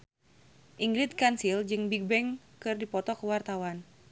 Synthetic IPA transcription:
ʔiŋɡɾit̪̚kansild͡ʒɨŋbiɡ̚bɛŋ | kɨrdipɔt̪ɔkəwart̪awan

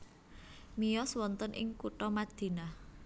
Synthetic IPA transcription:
mijɔswɔnt̪ɔnʔɪ̰ŋkuʈɔmad̪̥i̤na

